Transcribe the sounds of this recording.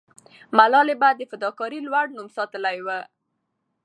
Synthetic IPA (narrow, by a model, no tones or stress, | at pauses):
malɑlebad̪ːəfad̪ɑkɑɾilwaɽnumsɑt̪əlajwə